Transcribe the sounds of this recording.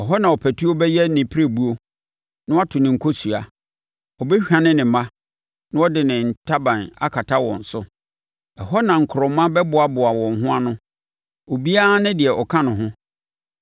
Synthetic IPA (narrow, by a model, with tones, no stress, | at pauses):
ɛ˨ɦɔ˦nã˨ɔ˨pʰæ˨tʰu˦o˦bɛ˦jɛ˦nɪ̃˨pʰi˦ɾe˦bu˦o˦ | nʊ̃˦wa˦tʰʊ˨nɪ̃˨ŋ̩˨kʰo˦su˨a˨ | ɔ˨bɛ˦ɕᶣã˨nɪ̃˦nɪ̃˨˦mã˦ | nã˦ɔ˦dɪ˨nɪ̃˨n̩˨tʰa˦bã˨na̰˦kʰa˨tʰa˦wɔ̰̃˨n̩˨sʊ˦ | ɛ˨ɦɔ˦nã˨ŋ̩˨kʰʊ˨ɾɔ˨˦mːã˦bɛ˦bʊ˨a˨bʊ˨a˨wɔ̃˨ŋ˨ɦʊ̃˦a˦nʊ̃˦ | o˨bi˦a˦nɪ̃˦dɪ˨ɛ˨ʔɔ˨kʰã˦nʊ̃˨ɦʊ̃˦